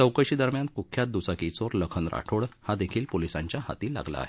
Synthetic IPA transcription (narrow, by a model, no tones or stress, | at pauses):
t͡səwkəɕiːd̪əɾmjan̚kukʰːjat̪̚d̪ut͡sakit͡soɾləkʰənɾʔa̰ʈʰoɽhad̪ekʰiːlpolisãɲt͡ɕjaha̰t̪iːla̰ɡla̰ːɦe